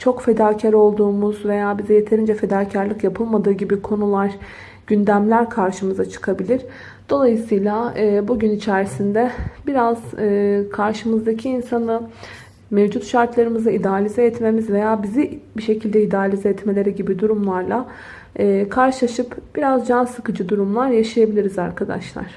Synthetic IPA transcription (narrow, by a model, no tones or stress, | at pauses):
t͡ʃʰo̞kfe̞d̪aːcʰaɾo̞lˠd̪uːmuzve̞jaːbizɛje̞t̪ʰe̞ɾind͡ʒɛfe̞d̪aːcʰaɾlʲˠɯkjapʰɯlˠmad̪ɯːɟibikʰo̞nulˠaɾ̥ | ɟ̥ynd̪æmlʲæɾkʰaɾʃɯmɯzat͡ʃʰɯ̥kʰabilʲiɾ̥ | d̪̥o̞lˠajɯsɯjlʲˠaɯːbuɟynit͡ʃʰæɾisind̪ɛbiɾaz̥ɯːkʰaɾʃɯmɯzd̪acʰiːnsanɯ | mevd͡ʒut̪ʃaɾt̪lˠaɾɯmɯzaid̪aːlʲizɛɛt̪me̞mizve̞jaːbizibiʃe̞cʰilʲd̪ɛid̪aːlʲizɛɛt̪me̞lʲe̞ɾɛɟibid̪uɾumlˠaɾlˠaː | kʰaɾʃɯlˠaʃɯpb̥iɾazd͡ʒansɯkɯd͡ʒɯd̪uɾumlˠaɾjaʃajabilʲiɾizaɾkʰad̪a̰ʃlˠa̰ɾ̥